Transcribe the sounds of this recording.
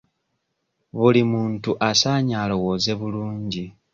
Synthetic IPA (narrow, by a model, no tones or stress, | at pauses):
βulimuːntuʔasaːɲaːlo̞wo̞ːze̞βuluːɲɟi